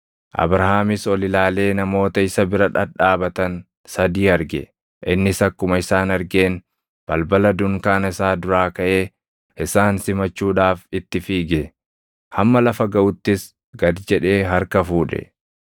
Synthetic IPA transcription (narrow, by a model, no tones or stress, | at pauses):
ʔɐ̰bɾɐɦaːmɪsɔlɪlaːle̞ːnɐmo̞ːt̪ɐɪsɐbɪɾɐᶑɐᶑaːbɐt̪ɐn | sɐd̪iːɐɾɡɛ̰ | ʔɪnːɪsɐkːʊmɐɪsaːnɐɾɡe̞ːn | b̥ɐlbɐlɐd̪ʊŋkaːnɐɪsaːd̪ʊɾaːkɐʔe̞ː | ʔɪsaːnsɪmɐt͡ʃːuːᶑaːfɪt̪ːɪfiːɡɛ | hɐmːɐlɐfɐɡɐʔʊt̪ːɪs | ɡɐd̪d͡ʒɛᶑe̞ːɦɐɾkɐfuːᶑɛ̰